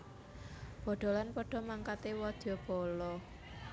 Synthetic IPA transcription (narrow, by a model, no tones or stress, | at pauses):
b̥ɔ̤ɖ̪̥ɔ̤lanpɔɖ̥ɔ̤maŋkat̪ewɔd̪̥jɔb̥ɔ̤lɔ